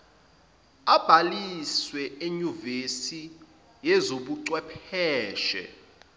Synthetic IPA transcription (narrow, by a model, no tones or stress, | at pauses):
ab̥ʱaliswɛeɲuvesi | jɛzoɓuǀwɛpʰɛːʃɛ̰